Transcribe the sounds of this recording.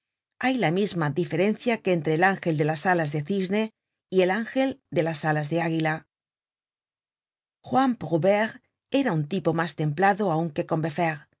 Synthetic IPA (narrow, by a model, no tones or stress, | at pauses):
ajlamizmadife̞ɾe̞n̟θjakeːnt̪ɾeːlaŋxe̞ld̪e̞lasalazðe̞θizne̞ | ie̞laŋxe̞ld̪e̞lasalazðe̞aɣila | xwampʁuβeɾ | e̞ɾaunt̪ipo̞mast̪e̞mplaðoauŋke̞ko̞mbe̞feɾ